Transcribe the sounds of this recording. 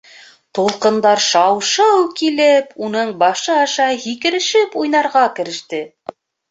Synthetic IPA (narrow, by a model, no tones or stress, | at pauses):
t̪ulˠqɤ̆nd̪ɑɾʃɑwʃɑwkilɘpunɤɴbɑʃɤɑʃɑhikɘ̆ɾɘ̆ʃɘpujnɑɾʁɑkɘ̆ɾɘ̆ʃt̪ɘ